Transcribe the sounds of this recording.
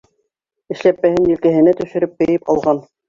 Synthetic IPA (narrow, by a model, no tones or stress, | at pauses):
ɘ̆ʃlæpːæhɘnjɘ̆lkæɦɘ̆næt̪ɵ̆ʃɘ̆ɾɵp̚bɘ̆jɘpɑlˠʁɑn